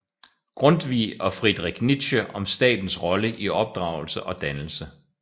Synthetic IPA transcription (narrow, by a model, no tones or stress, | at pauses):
ɡ̥ʁɔ̽nd̥ʋḭːɒ̽fʁid̥ʁɛɡ̥nid̥ɕəɒ̽msd̥ɛ̰ːd̥n̩sʁɒ̽ləʔiɒ̽b̥̚d̥ʁɑ̈ːʊl̩səʔɒ̽d̥ænl̩sə